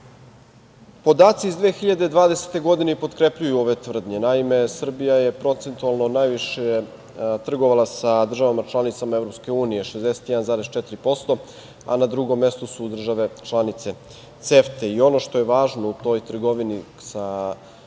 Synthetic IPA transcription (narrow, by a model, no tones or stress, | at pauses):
po̞d̪aːt̪siːzd̪ʋeːxiʎad̪e̞d̪ʋaːd̪ese̥t̪e̞ɡo̞d̪inepo̞t̪kɾepʎujuo̞ʋe̞t̪ʋr̩d̪ɲe̞naime̞sr̩bijaje̞pɾo̞t̪se̞nt̪ualˠno̞najʋiʃe | t̪r̩ɡo̞ʋalˠasad̪r̩ʒaʋamat͡ʃlˠanit̪samaevɾo̞pske̞uːnije̞ʃe̞zd̪ese̥t̪jɛd̪anzaːɾest͡ʃɛt̪iɾipo̞st̪o̞ | a̰nad̪ɾuɡo̞mːe̞st̪osud̪r̩ʒaʋe̞t͡ʃlˠanit̪se̞ | t̪seft̪eio̞no̞ʃt̪o̞jeʋaːʒnout̪o̞jt̪r̩ɡo̞ʋini | sa